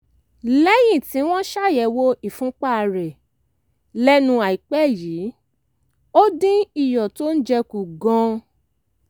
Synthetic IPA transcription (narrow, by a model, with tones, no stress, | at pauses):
lɛ˦jĩ˦˨tĩ˨˦w̃ɔ̃˦ʃa˦˨jɛ˨wo˧ʔi˨fũ˨˦k͡pa˦˨ɾɛ˨ | lɛ˦nũ˧a˨i˨k͡pɛ˦˨jiː˨˦ | o˦dĩ˦i˨jɔ˨to˦n̩˦d͡ʒɛ˧ku˨ɡɔ̃˧